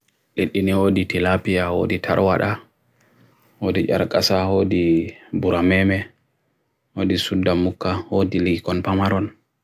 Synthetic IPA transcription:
ɗeɗːiniwoːditilapijawo̰ːditʰa̰ɾwaɗa | hoːdid͡ʒa̰ɾkʼasahoːdibuɾamɛmɛ | wodisudːamukːahoːdiliɡikɔnpamaɾɔn

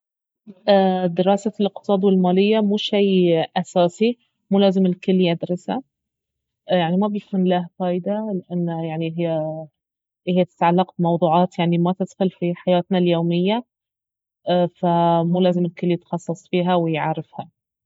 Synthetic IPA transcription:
ʔaːd̪ɪɾɑːsalɪq̚t̪ɨ̥sˤɑːd̪ˤwɪlmaːlɪjːamuːʃajʔasaːsi | muːlaːzɪmɪlkʊlːjad̪ɾˤɑsha | jaʕnimabɪfʊnlaːhqɑːjd̪alɪʔanːajaʕniɦɪjː | hɪjːt̪ɪ̥t̪ʕalːɑq̚bɪmɑwd̪ˤuːʕɑːt̪jaʕnimat̪ɪd̪xʊlfiħajaːt̪naljoːmɪjːa | famuːlaːzɪmɪlkʊlːijɪt̪xɑsˤːɑsˤfiːɦawɪjʕaɾɪfha

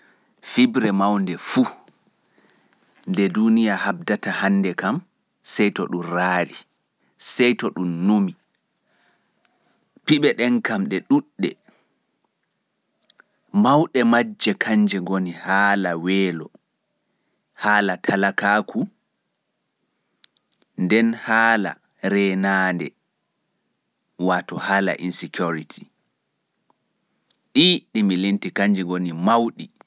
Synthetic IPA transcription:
fibɾɛmawndɛfu | ndɛdunijahabdatahanːdɛkam | sɛjtɔ̰ɗumraːɾi | sɛjtɔɗumnumi | piɓɛɗɛnkamɗɛɗuɗːɛ | mawɗɛmad͡ʒːɛkʰaɲd͡ʒɛɡonihaːlawɛːlɔ | haːlatʰalakaːkʰu | ndɛnhaːla̰ | ɾɛnandɛ̰ | watɔhaːla̰ʔḭnsikʰuɾitʰi | ɗiɗimilintikaɲd͡ʒɛɡonimawɗi

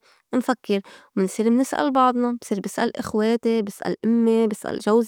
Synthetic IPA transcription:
nfakːɪɾwmɪnsˤiːɾmnɪsʔa̰lbɑʕd̪ˤnɑb̥sˤiːɾbɪsʔa̰lʔɪxweːt̪ebɪsʔa̰lʔʊmːebɪsʔa̰lʒawz

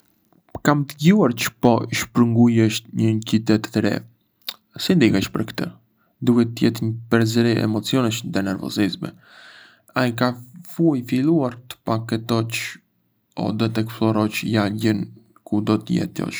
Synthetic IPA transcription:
kamt̪əɟuaɾt͡ʃə̥pɔʃpɾəŋɡujɛʃɲənc̪it̪ɛt̪ːɾɛ̰ | sind̪ikaʃpəɾkt̪ə | d̪uhɛt̪əjɛt̪ɲəpɛɾzəɾiʔɛ̰mɔt͡siɔnəʃnd̪ɛnɛɾvɔ̰zizmɛ̰ | ajkafujfiluaɾt̪ə̥pakɛt̪ɔt͡ʃ | ɔ̰d̪ɛt̪ɛksplɔɾɔt͡ʃjaɟən | kud̪ɔt̪əjɛ̰t̪jɔ̰ʃ

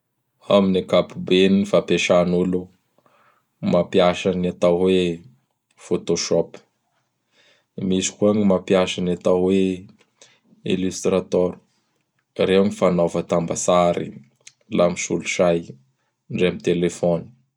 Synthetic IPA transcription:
aminakapubenifapeʃanulu | mapijaʃanat̪awwe | fot̪oʃɔp | misi̥kuaɲimapjaʃanat̪awwe | ḭlyst̪rat̪ɔɾu̥ | ɾewɲifanovət̪ambasaɾḭ | lamisṵluʃaj | ɳɖ͡ʐeamit̪elefɔni̥

